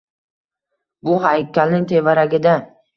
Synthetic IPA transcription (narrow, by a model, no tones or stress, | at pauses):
bʊɦajkʰʲːalnɪŋt̪ʰevaɾaɡʲɪd̪a